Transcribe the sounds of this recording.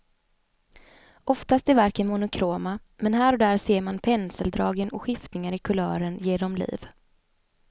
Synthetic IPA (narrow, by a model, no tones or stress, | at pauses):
ʔɔft̪ast̪æɾvaɾkənmʊnʊkʰɾoːmamɛnɦæːɾɔd̪æːɾseːɾmanpʰɛnsəld̪ɾɑːɡənɔɧɪft̪nɪŋaɾɪkʰɵlœ̰ːɾənjeːɖ̪ɔmlḭːv